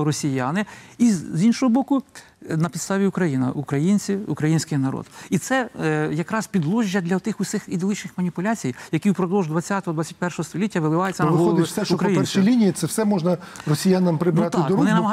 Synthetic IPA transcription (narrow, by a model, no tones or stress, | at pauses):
ɾɔsʲijanɪizʲinʃɔɦɔbɔkʊ | nɐpʲd̪st̪ɑʋʲiʊkɾɐjinɐ̰ʔʊkɾɐjinʲt͡sʲiʊkɾɐjinʲsʲkɪjnɐɾɔ̰d̪it̪sɛjɐkɾɑspʲid̪lˠɔʒʲːɐd̪lʲɐt̪ɪxʊsʲɪxid̪ɪlˠɪt͡ʃnɪxmɐnʲipʊlʲat͡sʲijjɐkʲiwpɾɔd̪ɔlˠʒd̪ʋɐt͡sʲːat̪ɔɦɔd̪ʋɑt͡sʲːɐt̚ʲpɛrʃɔɦɔst̪ɔlʲitʲːɐʋɪlˠɪʋɑjɪt͡sʲːɐʋɪɔlxˠɔɔlɪfsɛʃɔkɾɐjipɛnrsʃijlʲinʲijit̪sɛfsɛmɔʒnɐrɔsʲɪjanɐmpɾɪbnɾɑt̪ɪɑk̪ɔɾɔnɪnɐmɐɦ